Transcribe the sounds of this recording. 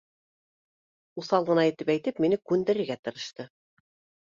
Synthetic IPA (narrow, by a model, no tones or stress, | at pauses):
usɑlˠʁɤ̆nɑjĭt̪ɘpæjt̪ɘpminɘkʉnd̪ɘ̆ɾɘ̆ɾɡæt̪ɤ̆ɾɤ̆ʃt̪ɤ